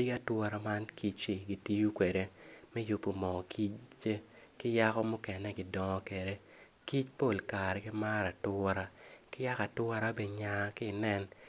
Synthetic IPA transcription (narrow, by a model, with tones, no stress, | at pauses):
ɪ˦ɡa˦twɔ˦ɾa˨ma˦nki˦t͡ʃɪ˨ɡi˨ti˦ju˦kwe˨ɾe˦mɛ˦ju˨pːo˨mɔ˨kʰi˦t͡ʃt͡ʃe˦kɪ˦ja˦kɔ˦mʊ˦kɛ˨nɛ˦ɡɪ˨dɔ˦ŋɔ˦ke˨ɾe˦ | ki˦t͡ʃpo˨lka˨ɾɛ˨kɪ˦ma˦ɾa˨tʊ˦ɾa˦kɪ˦ja˦ka˨twʊ˦ɔ˦ɾa˦be˨ɲa˨˦kɪ˦˨nɛ˦n